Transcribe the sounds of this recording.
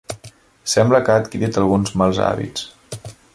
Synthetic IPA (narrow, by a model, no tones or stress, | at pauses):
sɛmbləkaːt̪kiɾit̪əlˠɣunzmalˠza̰βḭts